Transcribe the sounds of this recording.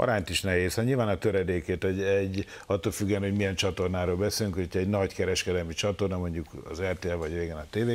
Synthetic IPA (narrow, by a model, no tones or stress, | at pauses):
ɒ̰ɾaːɲt̪iʃnɛɦeːsaɲilvaːnɒt̪øɾɛd̪eːkeːt̪ɔɟɛɟ | ɒt̪ːoːlfyɡːɛnho̞ɟmijɛnt͡ʃɒt̪o̞rnaːɾoːlbɛseːlyŋkootʰɛɟnɒɟkɛɾɛʃkɛd̪ɛlmit͡ʃɒt̪o̞rnɒmo̞ɲɟukɒ̰zɛrt̪eːɛlvɒɟreːɡɛnɒt̪eːveː